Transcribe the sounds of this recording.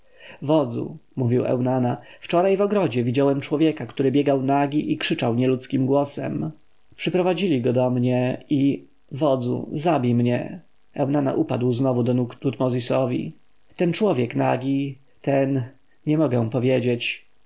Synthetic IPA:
vɔd̪zṵmuvʲiwɛ̰wnanaft͡ʂɔɾajvɔɡɾɔd͡ʑɛvʲid͡ʑawɛmt͡ʂwɔvʲjɛkakt̪uɾɘbʲjɛɡawnaɡʲiʔikʂɘt͡ʂawɲɛlut̪skʲimɡwɔsɛ̰m | pʂɛpɾɔvad͡ʑilʲiɡɔd̪ɔmɲɛi | vɔd̪zṵzabʲijmɲɛ̰ | ɛwnana̰ʔupa̰d̪wznɔvud̪ɔnukt̪ut̪mɔzʲisɔvʲḭ | t̪ɛnt͡ʂwɔvʲjɛknaɡʲi | t̪ɛn | ɲɛmɔɡɛ̃pɔvʲjed͡ʑet͡ɕ

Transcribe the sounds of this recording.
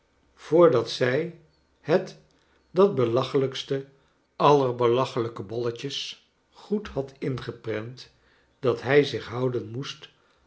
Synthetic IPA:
v̥ʊːɹdɑtsɛj | hət | dɑd̚bəlɑχələkstə | ɑlərbəlɑχələkəbɔləcəs | χuthɑtɪnχəprɛnt | d̥ɑtɦɛjzɪχɦɑwdənmust

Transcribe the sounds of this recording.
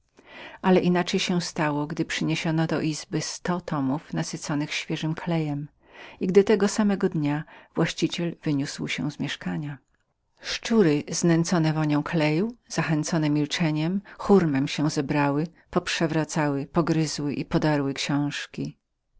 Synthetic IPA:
ʔalɛʔinat͡ʂɛjɕɛw̃st̪awɔɡd̪ɘpʂɘɲeɕɔnɔd̪ɔ̰ʔizbɘst̪ɔt̪ɔmufnasɘt̪sɔnɘxɕfʲjɛʐɘmkʰlɛjɛm | iɡd̪ɘt̪ɛɡɔsamɛɡɔd̪ɲavwaɕt͡ɕit͡ɕɛlvɘɲuswɕɛ̃zmʲjɛʂkaɲa | ʂt͡ʂuɾɪznɛnt̪sɔnɛvɔɲɔ̃w̃klɛjuz̥axɛnt̪sɔnɛmʲilt͡ʂɛɲɛmxuɾmɛmɕɛzɛbɾawɪ | pɔpʂɛvɾat̪sawɘpɔɡɾɘzwɘʔipɔd̪aɾwɘkɕɔ̃w̃ʂkʲi

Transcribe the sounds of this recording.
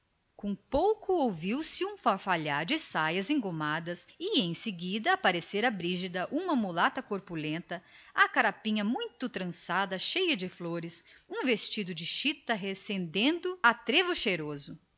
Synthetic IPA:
kõpowkʊowviwsɪũfaɾfaʎaɾd͡ʒɪsajɐzẽŋɡomad̪ɐsɪẽj̃sɪɡid̪ɐːpaɾeseɾɐbɾiʒid̪ɐʔũmɐmulat̪ɐkoɾpulẽnt̪ɐakaɾapĩɲɐmũj̃t̪ʊt̪ɾɐ̃sad̪ɐʃejɐd͡ʒɪfloɾɪsũvest͡ʃid̪ʊd͡ʒɪʃit̪ɐɦesẽnd̪ẽnd̪ʊat̪ɾevʊʃejɾozʊ

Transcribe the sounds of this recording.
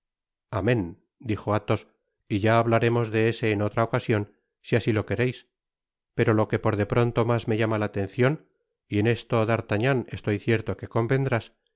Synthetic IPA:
amẽ̞n | d̪ixo̞at̪o̞s | iʝaːβ̞laɾe̞mo̞zðe̞ese̞ːno̞t̪ɾaokasjo̞n | siasilo̞ke̞ɾe̞js | pe̞ɾo̞lo̞ke̞po̞ɾðe̞pɾo̞nt̪o̞mazme̞ʝamalaːt̪ẽ̞nθjo̞n | ie̞ne̞st̪oaðaɾt̪aɲane̞st̪o̞jθje̞ɾt̪oke̞ko̞mbe̞nd̪ɾas

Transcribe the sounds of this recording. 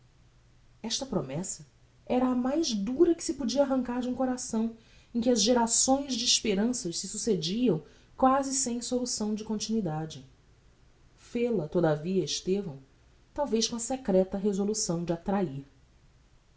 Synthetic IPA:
ɛʃt̪ɐpɾomɛsɐ | ɛɾɐːmajzd̪uɾɐkɪ̥sɪpud͡ʒiɐaɦɐ̃ŋkaɾd͡ʒũkoɾasɐ̃w̃ | ẽkʲɪɐzʒeɾasõj̃zd͡ʒɪːʃpeɾɐ̃sɐʃsɪsused͡ʒiɐ̃w̃ | kwazɪsẽj̃solusɐ̃w̃d͡ʒɪkõnt͡ʃinwid̪ad͡ʒɪ | felɐt̪od̪aviɐɪʃt̪evɐ̃w̃ | t̪awvejʃkõɐsekɾɛt̪ɐɦezolusɐ̃w̃d͡ʒɪat̪ɾaiɾ

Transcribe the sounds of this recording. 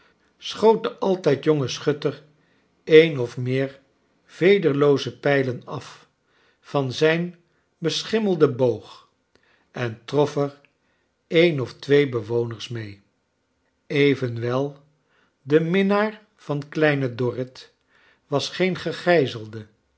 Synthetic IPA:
sχowt̚dəʔɑlˠtɛjtjɔŋəsχɵtər | ejnɔfmɪːɹ | v̥ejdəɹlowzəpɛjlənɑf | fɑnzɛjn | bəsχɪməlˠdəbowχ | ɛntrɔfəɹ | ejnɔftʋejbəʋownəɹsmej | ejvənʋɛlˠ | dəmɪnaːɹ | v̥ɑnklɛjnədɔrɪt | ʋɑsχejnχəχɛjzəlˠdə

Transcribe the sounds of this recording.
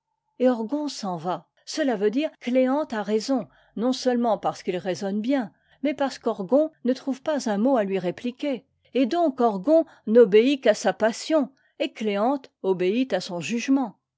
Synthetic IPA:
eɔʁɡɔ̃sɑ̃va | səlavød̪iʁkleɑ̃t̪aʁezɔ̃ | nɔ̃sœlmɑ̃paʁsə̥kilʁezɔnbjɛ̃ | mɛpaʁsə̥kɔʁɡɔ̃nət̪χuvpazɛ̃moalɥiʁeplikʲe | ed̪ɔ̃kɔʁɡɔ̃ | nɔbeikasapasjɔ̃ | ekleɑ̃t̪ɔbeit̪asɔ̃ʒyʒmɑ̃

